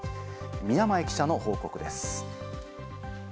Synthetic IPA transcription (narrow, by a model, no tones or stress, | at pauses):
mʲijamae̞kʲi̥ɕano̞ho̞ːko̞kɯ̟d̪e̞sɨ̥